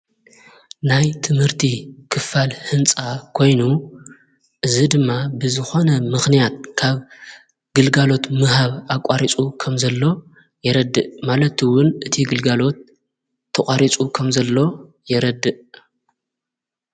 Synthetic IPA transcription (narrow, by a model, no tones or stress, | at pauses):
najt̪ʰɨmhɨɾt̪ʰikʰɨfalhɨnt͡sʼakʰo̞jnu | ʔɨzid̪ɨmːabɨzɨxo̞nɐmɨxnijat̪̚kʰaβ | ɡ̥ɨlɡalo̞t̪mɨɦaβakʼaɾit͡sʼukʰɐmzɐlːo̞ | jɛɾɐd̪ːɨʔmalɐt̪ɨwʊnʔɨt̪ʰiɡɨlɡalo̞t̪ʰː | ɐkʼaɾit͡sʼukʰɐmzɐlːo̞ | jɛɾɐd̪ːɨʔ